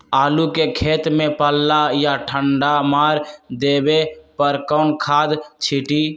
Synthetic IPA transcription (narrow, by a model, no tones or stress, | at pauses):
aːlukekʰeːt̪mẽpəlːajaʈʰəɳɖamaːɾd̪eːbepəɾkɔːnkʰaːd̪t͡ʃʰiʈi